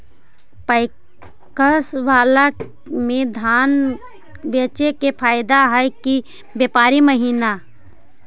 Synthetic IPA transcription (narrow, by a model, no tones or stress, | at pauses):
pəɪ | kəswaːla | mẽd̪ʱaːn | beːt͡ʃekepʰaːɪd̪aɦəjki | bjeːpaːɾiməɦiːna